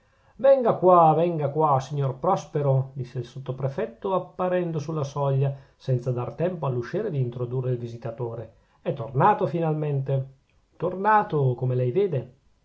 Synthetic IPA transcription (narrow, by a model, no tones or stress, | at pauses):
vɛŋɡakwavɛŋɡakwasiɲːorpɾɔspeɾod̪isːeilsot̪ːopɾefɛt̪ːoapːaɾɛnd̪osulːasɔʎːasɛnt̪sad̪art̪ɛmpoalːuʃiːɾed̪iːnt̪ɾod̪urːeilvizit̪at̪oːɾe | ɛt̪ːornaːt̪ofinalment̪e | t̪ornaːt̪okomelɛjveːd̪e